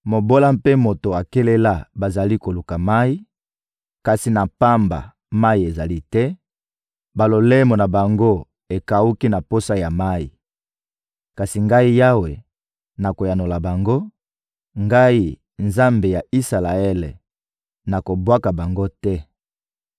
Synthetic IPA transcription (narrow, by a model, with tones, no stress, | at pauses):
mo˨bo˦la˦mpe˦mo˨to˨a˨ke˦le˦la˦ba˨za˨li˦ko˨lu˨ka˨ma˦i˦ | ka˨si˨na˨pa˦mba̰˨ | ma˦i˨e˨za˨li˦tɛ˦ | ba˨lo˨le˦mo˨na˨ba˨ŋɡo˦ | e˨ka˨u˦ki˦na˨po˦sa˦ja˨ma˦i˨ | ka˨si˨ŋɡa˦i˦ja˦we˨ | na˨ko˨ja˨no˨la˨ba˨ŋɡo˦ | ŋɡa˦i˦ | nza˦mbe˨ja˨i˦sa˨la˨ɛ˦le˨ | na˨ko˨bwa˦ka˨ba˨ŋɡo˦tɛ˦